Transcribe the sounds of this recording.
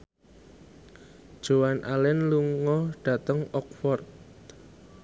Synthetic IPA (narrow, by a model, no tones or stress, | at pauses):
d̥ʒ̥owanʔalɛnluŋɔɖ̥a̤t̪əŋɔk̚fɔrt̪̚